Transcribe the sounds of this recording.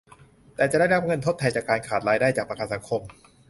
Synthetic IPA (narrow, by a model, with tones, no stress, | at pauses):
t̪ɛː˨˩t͡ɕa˨˩ʔdaː˥˩jɾa˧˥p̚ŋɤ˧nt̪ʰo˥˩t̪ʰːa˧jt͡ɕaː˨˩kːaː˧nkʰaː˨˩t̪̚ɾaː˧jdaː˥˩t͡ɕaː˨˩k̚pa˧kʰaː˧˩sʰa˩˦ŋkʰo˧m